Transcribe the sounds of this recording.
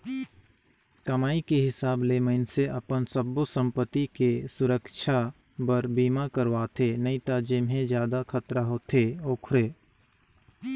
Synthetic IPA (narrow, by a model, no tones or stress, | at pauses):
kɐmaːikeɦɪsaːbleməɪnseʔəpənsəbusə̃mpət̪ikesʊɾəkʃʰabəɾbiːmakəɾʋaːt̪ʰenəĩt̪ad͡ʒɪmɦẽd͡ʒjaːd̪akʰət̪ɾəɦot̪ʰeoːkʰʊɾeː